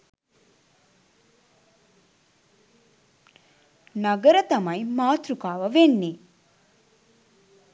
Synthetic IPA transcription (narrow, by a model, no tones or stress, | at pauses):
naɡəɾət̪amajimaːt̪ɾukaːʋəʋenːi